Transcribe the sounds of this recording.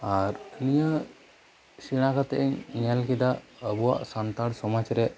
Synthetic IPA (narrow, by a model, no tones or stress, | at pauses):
aɾnijə | siɽ̃akat̪ɛʔiɲiɲalkid̪aəbuwa̰ʔsant̪aɽsɔmat͡ʃɾeʔ